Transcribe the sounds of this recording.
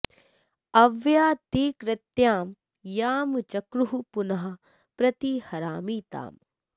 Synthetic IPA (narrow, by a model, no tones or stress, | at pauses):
ɐʋjaːt̪iːkɾɐt̪jaːm | jaːmt͡ʃɐkɾuɦupunɐɦɐ̆ | pɾɐt̪ihɐɾaːmiːt̪a̰ːm